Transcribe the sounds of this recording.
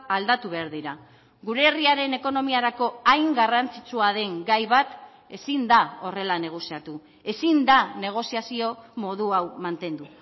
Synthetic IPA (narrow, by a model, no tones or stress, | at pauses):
ald̪at̪uβe̞aɾðiɾa | ɡuɾe̞ːriaɾe̞ne̞ko̞no̞miaɾako̞ajŋɡarant͡sit͡suaðe̞ŋɡajβat̪ | e̞sind̪ao̞re̞lane̞ɣ̞o̞siat̪u | e̞sind̪ane̞ɣ̞o̞siasio̞mo̞ðuawmant̪e̞nd̪u